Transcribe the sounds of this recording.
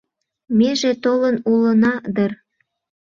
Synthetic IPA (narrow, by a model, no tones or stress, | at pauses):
meʒet̪olənulə̆nɑd̪ər